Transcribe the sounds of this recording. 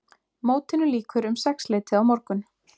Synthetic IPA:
moːwt̪ɪnʏliːkʏɾʏmsɛksleːjt̪ɪawmɔɾkʏn

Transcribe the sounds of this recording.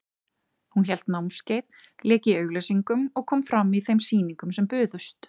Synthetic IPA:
hunçɛl̥t̪nawmscejð | lɛːcɪœːɥɣlejsiŋkʏmɔɣkʰɔːmfɾamːiθejmsiːniŋkʏmsɛmpʏːðʏst̪

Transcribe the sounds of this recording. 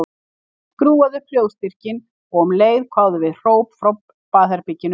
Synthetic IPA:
kɾuːaðʏpl̥joːwst̪ir̥cɪn | ɔɣɔmleːjðkʰvaːwðʏvɪðr̥oːwpfɾowpː | aːθɛɾpɪcːɪn

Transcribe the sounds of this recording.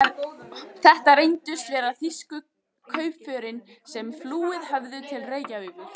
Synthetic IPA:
θɛht̪aɾejnt̪ʏst̪vɛːɾaðθiskʏ | kʰœɥpfœːɾɪnsɛmfluːɪðhœvðʏt̪ʰɪlreːɥcaʏːpʏ̥

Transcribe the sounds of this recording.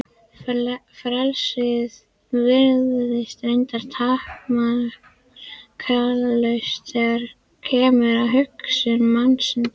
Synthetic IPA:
fɾɛlsɪð | vɪɾðʏðɪst̪ejnt̪aɾ̥t̪ʰahkma | kʰaːlalœɥst̪θɛɣaɾ̥ | cʰɛːmʏɾaðɦʏksʏnmansɪn

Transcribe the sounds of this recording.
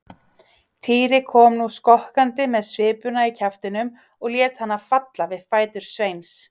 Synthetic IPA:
t̪ʰiːɾɪkʰɔːmnuskɔhkant̪ɪmɛðsvɪːpʏnaicʰaft̪ɪnʏm | ɔɣljɛːt̪hanːafat̪lavɪðfaːjt̪ʏɾ̥svejns

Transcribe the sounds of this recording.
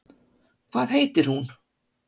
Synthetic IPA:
kʰvaːðheːjt̪ɪɾ̥hun

